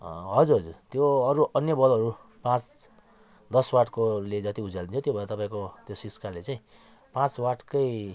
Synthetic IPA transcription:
ɦʌd͡zuɾɦʌd͡zurt̪joʌɾuʔʌnjʌbʌlɦʌɾu | pãt͡s | d̪ʌswaʈkoled͡zʌt̪iud͡zalint͡sʰot̪jobʱʌɾat̪ʌpãĩkot̪josiskalet͡saĩ | pãt͡swaʈʰkʌj

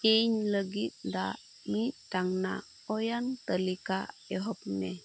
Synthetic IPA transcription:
ɛɲləɡit̪̚d̪a̰ | mit̪̚t̪aŋna̰ | ɔjant̪əlikaɛɦɔpnɛ

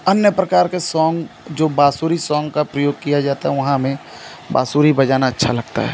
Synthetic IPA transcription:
ɐnjəpɾɐkaːɾkesɔ̃ːŋɡd͡ʒoːbaːsuːɾisɔːŋɡkapɾəjoːɡ̚kijad͡ʒaːt̪aɦɛʋɐɦãmẽ | ba̰ːsuːɾibɐd͡ʒaːnaɐtːʃʰalɐɡt̪a̰ɦɛ̰ː

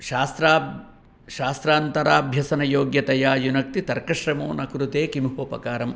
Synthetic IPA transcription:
ʃaːst̪ɾaː | ʃaːst̪ɾaːnt̪ɐɾaːbʱjɐsɐnɐjoːɡjɐt̪ɐjaːjunɐk̚t̪it̪ɐɾkɐʃɾɐmoːnɐkɾut̪eːkimɦoːpɐ̰kaːɾɐm

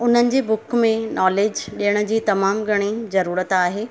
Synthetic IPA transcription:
ʊn̤ənɪ̆d͡ʑeːbʊkmẽnʔɔːleːd͡ʑɗijəɽ̃ʊ̆d͡ʑiːt̪ɐmaːmɡʱɐɽ̃izɐɾuːɾət̪aːɦeː

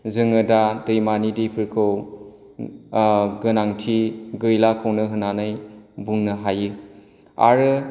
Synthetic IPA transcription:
zɯŋɯdadɯjmanidipʰɯɾkʰɯw | ɡɯnaŋtʰiɡɯjlakʰɯwnɯɦɯnanɯjbuŋnɯɦajɯ | a̰ɾɯ

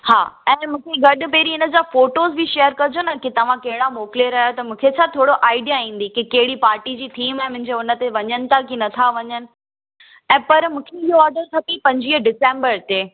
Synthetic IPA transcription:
ha̰ːɛ̃ːmũːkʰeɡɐɗʊ̆peːɾiɪnə̆d͡ʑaːfoːʈoːzbʱiʃeːəɾkɐd͡ʑonɐkit̪ɐʋ̤ãkɐɦɪɽamoːklieɾaːjot̪ɐmũːkʰet͡ɕʰat̪ʰoːɽoʔaːɪɖijaĩːn̆d̪ikikɐɦɪɽipaːɾʈid͡ʑiːʈʰiːmɛ̃ːmʊ̃ɦɪ̃ɲd͡ʑeʊnə̆t̪eʋɐɲənɪ̆t̪ʰakinɐt̪ʰaʋɐɲənɪ̆ | ɛ̃ːpɐɾmũːkʰeɪɦoɔːɾɖəɾtʰɐpipɐ̃ɲd͡ʑiːəɖɪsẽːmbəɾt̪eː

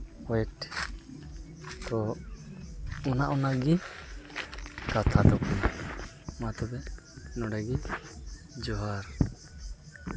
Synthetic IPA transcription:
ɔɛʈ | t̪ɔ | ɔnaʔɔnaɡi | kat̪ʰad̪ɔkna | mat̪ɔbɛ | nɔɖɛɡi | d͡ʒɔɦaɾ

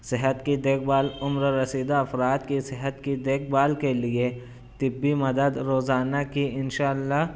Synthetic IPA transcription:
sɪɦət̪kid̪eːk̚baːlʊmɾɾɐsiːd̪aɐfɾaːt̪kisɪɦət̪kid̪eːk̚ʰbaːlkelie | t̪ɪbːimɐd̪əd̪ɾoːzaːnakiɪnʃaːlːaɦ

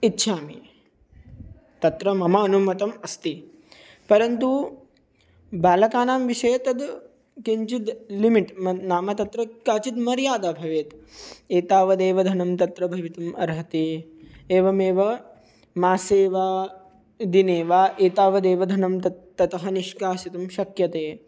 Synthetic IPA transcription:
it̪ːʃʰaːmi | t̪ɐt̪ɾɐmɐmɐːnumɐt̪ɐmɐst̪i | pɐɾɐnt̪u | baːlɐkaːnaːmʋiʂɐjɐt̪ɐd̪ | keɲt͡ʃit̪limiʈmɐnaːmɐt̪ɐt̪ɾɐkaːt͡ʃit̪mɐɾjaːd̪aːbʱɐʋeːt̪eːt̪aːʋɐd̪eːʋɐd̪ʱɐnɐmt̪ɐt̪ɾɐbʱɐʋit̪umɐ̰ɾɦɐt̪eːeːʋɐmeːʋɐ | maːseːʋaː | d̪ineːʋaːʔeːt̪aːʋɐd̪eːʋɐd̪ʱɐnɐmt̪ɐt̪ɐt̪ɐɦɐniʃkaːsit̪umʃɐkjɐt̪eː

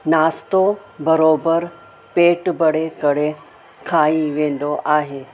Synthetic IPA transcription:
naːst̪o | bɐɾoːbəɾ | peːʈbɐɽekɐɽe | kʰaːĩʋẽːn̆d̪oʔaːɦeː

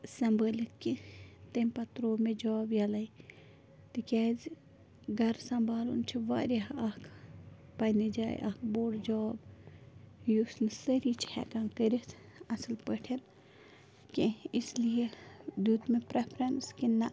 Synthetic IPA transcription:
sɐmbəːlʲit̪̚kit̪emʲpɐt̪ɾoːmed͡ʒobjɐlɐj | t̪ikʲaːz | ɡɐɾsɐmbaːlṵnt͡ʃʰiʋaːɾʲaɦɐkʰ | pɐnid͡ʒa̰ːj̰ʔa̰kʰboːɽd͡ʒɔb | jusnsəɾit͡ʃʰhɛ̰kãnkəɾit̪ʰ | ɐslpəʈʰen | kʲiislijed̪ud̪mepɾepʰɾɐnskinɐ

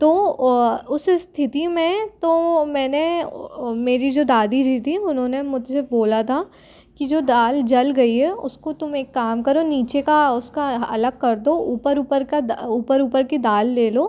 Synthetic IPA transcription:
t̪oː | ʊsst̪ʰɪt̪imẽt̪oːmɛ̃ːne | meːɾid͡ʒoːd̪aːd̪id͡ʒit̪ʰiʊnɦõːnemʊd͡ʒʱseboːlat̪ʰa | kid͡ʒoːd̪aːld͡ʒɐlɡɐiɦɛʊskot̪ʊmeːkːaːmkɐɾoniːt͡ʃekaʊskaɐ̰ləɡ̚kɐɾd̪ouːpəɾuːpəɾkad̪uːpəɾuːpəɾkid̪aːlːeːloː

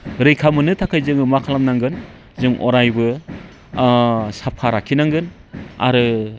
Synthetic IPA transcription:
ɾɯjkʰamɯnɯtʰakʰajzɯŋɯmakʰalamnaŋɡɯn | zɯŋʔɔ̰ɾajbɯ | sapʰaɾakʰinaŋɡɯn | a̰ɾɯ

